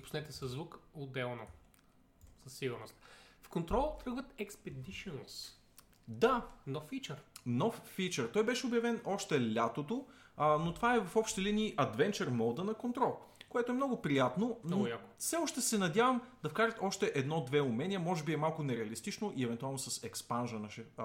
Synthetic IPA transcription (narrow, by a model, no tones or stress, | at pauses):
pʊ̥snɛt̪ɛsɐzːvukʊd̪ɛlˠno | sɐsːiɡʊɾnost̪fkont̪ɾɔlˠt̪ɾɤɡvət̪ɛkspɛd̪iʃɛnos | d̪anɔfːit͡ʃəɾnɔfːit͡ʃəɾt̪ɔjbɛʃɛʊbjɐvɛnʔɔʃt̪ɛlʲat̪ot̪onot̪o̥vaɛvɐfɔpʃt̪t̪ɛliniːʔɐd̪vɛnt͡ʃɛɾmɔlˠd̪ənɐkont̪ɾɔlˠkoɛt̪oɛmnɔɡʊpɾijat̪noojakʊfsɛɔʃt̪ɛsɛnɐd̪ʲjavɐmd̪̥ɐfkaɾɐt̪ɔʃt̪ɛʔɛd̪nɔd̪vɛʊmɛnʲiəmɔʒɛbiɛmalˠkʊnɛɾɛɐlist̪it͡ʃnoʔiɛvɛnt̪ualˠnosɐsɛkspanʒɐnəʃɛ